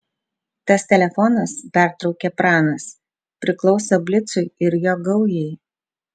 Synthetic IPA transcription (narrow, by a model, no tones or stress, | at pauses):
t̪ɐst̪ʲɛlʲɛfɔnɐspʲæˑɾt̪ɾɒʊkʲepɾɑːnɐs | pʲɾʲɪklˠɒʊsʲobʲlʲɪt̪sʊɪɪɾjoːɡɐʊjɛɪ